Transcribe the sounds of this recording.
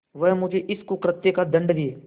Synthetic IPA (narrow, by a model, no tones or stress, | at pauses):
ʋɐɦmʊd͡ʒʱeʔɪskokɾət̪ːekad̪ɐ̃ɳɖd̪ieː